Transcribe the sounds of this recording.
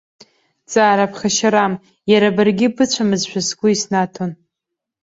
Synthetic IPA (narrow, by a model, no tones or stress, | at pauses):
t͡sʼaːɾapʰχaʃaɾam | jaɾabɨrɡʲɪbɨt͡ɕʷʰamɨzʃʷᶣasɡʷʊisnatʰon